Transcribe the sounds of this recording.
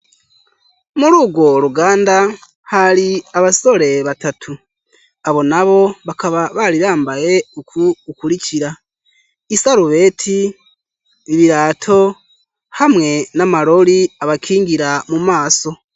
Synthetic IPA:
muɾuːɡwo̞ɾuɡaːnda | haɾiaβaso̞ɾe̞βatatʰu | aβo̞naβo̞βakaβaβaɾiɾaːmbaje̞ukuukuɾiciɾa | isaɾuβe̞ːtʰi | βiɾaːtʰo̞ | hamŋe̞namaɾo̞ɾiaβakʰiːŋɡiɾamumaːso̞

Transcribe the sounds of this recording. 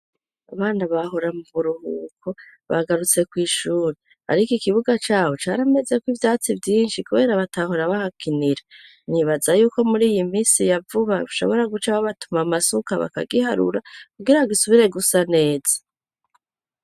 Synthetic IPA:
a̰βaːnaβahoɾamuβuɾuhukʰo | βa̰ɡaɾut͡se̞kwiːʃuːɾe | a̰ɾikikiβuɡat͡ʃaːho̞t͡ʃaːɾame̞ze̞kwivjaːt͡sivjiːnʃikuβe̞ːɾaβataɦoɾaβahakʰiniɾe | niβazajuːko̞muɾiːjimiːnsijavuβauʃo̞̰βo̞ɾaɡut͡ʃaβaβatumamasukaβa̰ka̰ɡihaɾṵɾakuɡiɾaβaɡisuβiɾe̞ɡusane̞ːz̥ḁ

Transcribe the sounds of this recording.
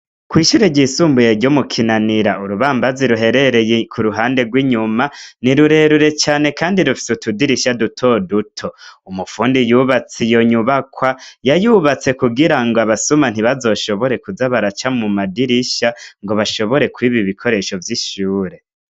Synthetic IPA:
kwiːʃuːɾeɟisuːmbujeɾɟomukʰinaniɾaʔuɾuβaːmbaziɾuɦe̞ɾe̞ɾejekʰuɾuɦaːnde̞ɡwiːɲumaniɾuɾe̞ɾuɾe̞t͡ʃaːne̞kaːndiɾufi̥sutudiɾiʃadutʰo̞dutʰo̞umufuːndijuːβat͡sijo̞ɲuβakwajajuːβat͡se̞kuɡiɾaŋɡoaβasuman̥iβazo̞ːʃo̞βo̞ɾe̞kuzaβaɾat͡ʃamumadiɾiʃaŋɡo̞βaʃo̞βo̞ɾe̞kwiːβiβikʰo̞ɾe̞ʃo̞vjiʃuːɾe̞

